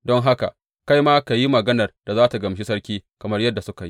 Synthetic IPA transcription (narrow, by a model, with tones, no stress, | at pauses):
dɔ˦ŋɦa˦ka̰˨ | ka˦jmaː˦ka˨ji˦mɐ˨ɡɐ˦nɐ˨rd̥a˨zaː˦ta˨ɡɐ˨mʃi˦sɐ˦ɽkʲiː˦kɐ˨mɐ˦rjɐ˦dːa˨sʊ˦ka˨ji˦